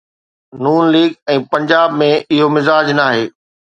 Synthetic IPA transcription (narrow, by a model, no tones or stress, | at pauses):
nuːnliːɡɛ̃ːpɐ̃ɲd͡ʑaːbmẽʔɪɦomɪzaːd͡ʑnaːɦeː